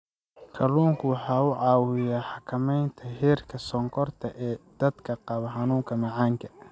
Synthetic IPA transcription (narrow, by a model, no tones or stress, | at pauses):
kʰɐluːŋkʰʊwɑħɑːʊʕɑːwɪjaːħɑkʰɐmɛjnt̪ʰɐɦɛːrkʰɐsɔŋkʰɔrt̪ʰɐʔɛːd̪̥ɐd̪kʰɐqɑβɐħɑnuːŋkʰɐmɑʕɑːŋkʰɐ̥